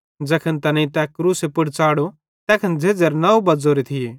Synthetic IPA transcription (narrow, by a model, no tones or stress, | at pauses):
d͡zɛːkʰənt̪ɐnɐ̃ĩt̪ɛːkːɾuːsepʊɽt͡saːɽo | t̪ɛːkʰənd͡zʱeːd͡zɐɾnɐubɐd͡zoːɾet̪ʰɪjeː